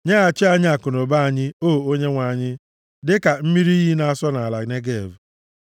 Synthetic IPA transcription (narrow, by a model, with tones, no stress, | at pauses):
ɲa˦a˨t͡ʃɪ˦a˨ɲɪ˦a˨kʊ˨no˨ba˦a˨ɲɪ˦oː˦˨o˦ɲe˦ŋʷa˨ɲɪ˦ | dɪ˦ka˨m̩˦mi˦ɾi˦i˦ɦi˦na˨a˦˨sɔ˦na˨a˨la˨ne˦ɡe˦ḛ˨vu˨